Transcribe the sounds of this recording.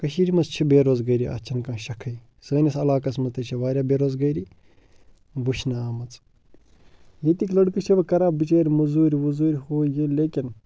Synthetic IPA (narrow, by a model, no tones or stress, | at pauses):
kɐʃiːɾimɐt͡st͡ʃʰibeːɾoːzɡɐjɾiʔɐ̰t͡ʃʰɐnkãːʃɐkʰɐi | səːnʲɐsɐlaːkɐt͡smɐt̪ɐt͡ʃʰiʋaːɾʲjaːbeːɾoːzɡɐjɾi | buʃnaːmɐt͡s | jet̪iklɐɽkɨt͡ʃʰibɐkɐɾaːbːit͡ʃaːɾʲimɐzuːɾʲiʋuzuːɾʲhoːjeleːkʲin